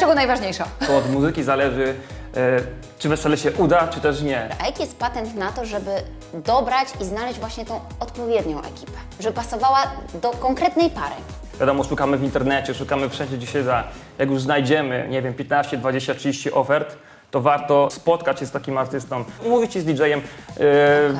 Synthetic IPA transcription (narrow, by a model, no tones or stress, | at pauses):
t͡ʂɛɡɔnajvaʐɲejʂaɔɔd̪muzɘkʲizalɛʐɘ | t͡ʂɨvɛsɛlɛɕɛʔud̪at͡ʂɨt̪ɛʂɲɛʔajakʲijɛst̪̚pat̪ɛnt̪nat̪ɔʐɛbɘ | d̪ɔbɾat͡ɕiznalɛʑd͡ʑvwaɕɲɛt̪ɔ̃w̃ɔt̪pɔvʲjɛd̪ɲɔ̃w̃ʔɛ̰kʲi̥pɛ̥ | ʐɛbɘpasɔvawad̪ɔkɔŋkɾɛt̪nɛjpaɾɘ̰ | vʲjad̪ɔmɔʂukamɘvʲint̪ɛɾnɛt͡ɕɛʂukamɘfʂɛ̃ɲd͡ʑɛd͡ʑɛɕɛd̪ajakjuʐznajd͡ʑɛmɘ̰ɲɛvʲjɛmpʲjɛt̪naɕt͡ɕɛd̪vad͡ʑeɕt͡ɕatʂɨd͡ʑeɕt͡ɕiʔɔfɛɾt̪ː | ɔvaɾt̪ɔspɔt̪kat͡ɕɕɛst̪akʲimaɾt̪ɘst̪ɔmumuvʲit͡ɕɛzd̪ʲid͡ʐɛjɛm